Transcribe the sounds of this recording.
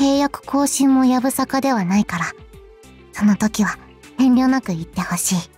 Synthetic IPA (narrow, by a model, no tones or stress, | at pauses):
ke̞ːjakɯ̟̥kʰo̞ːɕĩmːo̞jabɯ̟sakad̪e̞β̞anaikaɾa | so̞no̞t̪o̞kʲiβa | h̪ẽ̞nɾʲo̞ːnakɯ̟it̪ːe̞ho̞ɕiː